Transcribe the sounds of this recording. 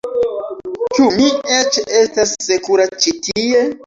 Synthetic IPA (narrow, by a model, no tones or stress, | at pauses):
t͡ʃumiet͡ʃe̞stasːekuɾat͡ʃitie̞